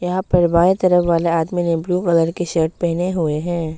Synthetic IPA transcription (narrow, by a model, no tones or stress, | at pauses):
jɐɦãpɐɾbaːet̪ɐɾəfʋaːleaːd̪minẽbluːkɐləɾkeʃəɾʈ̚pɛɦneɦʊeɦɛ̃ː